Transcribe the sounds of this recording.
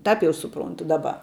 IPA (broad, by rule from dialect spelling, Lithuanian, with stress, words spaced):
ˈtɐp jɛʊ sʊˈproːntʊ ˈdɑːˌbɐ